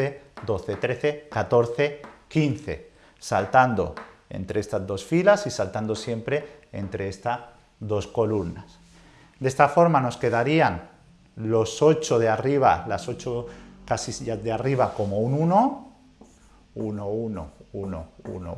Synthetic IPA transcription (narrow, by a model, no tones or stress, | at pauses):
ed̪o̞θe̞t̪ɾe̞θekat̪o̞ɾθe̞kinθe̞̰ | salt̪and̪o̞̰e̞̰nt̪ɾeest̪azðo̞sfilasisalt̪and̪o̞sje̞mpɾe̞ḛnt̪ɾeest̪a | d̪o̞sko̞lumnas | d̪e̞st̪afo̞ɾmano̞ske̞ðaɾian | lo̞so̞t͡ʃoðeariβ̞a̰laso̞t͡ʃokasisʝazðeariβ̞ako̞mo̞ununo | unouno̰uno̰ṵno̰